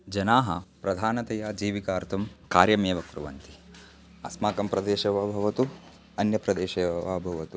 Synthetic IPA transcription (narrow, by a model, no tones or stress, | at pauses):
d͡ʒɐnaːɦɐ̰pɾɐd̪ʱaːnɐt̪ɐjaːd͡ʒiːʋikaːɾt̪ʰɐmkaːɾjɐmeːʋɐkɾṵʋɐ̰nt̪i̥ | ɐsmaːkɐmpɾɐd̪eːʃɐʋaːbʱɐʋɐt̪u | ɐnjɐpɾɐd̪eːʃeːʋaːbʱɐʋɐt̪u